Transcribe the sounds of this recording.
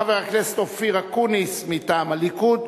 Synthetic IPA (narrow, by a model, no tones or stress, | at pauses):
aveʁaklestofiʁakunismitaːmalikud̪